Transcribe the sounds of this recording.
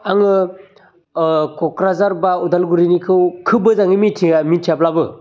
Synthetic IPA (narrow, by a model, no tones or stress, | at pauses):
aŋɯ | kɔkɾazaɾbaudalɡuɾinikʰɯwkʰɯbɯzaŋimitʰiamitʰijaplabɯ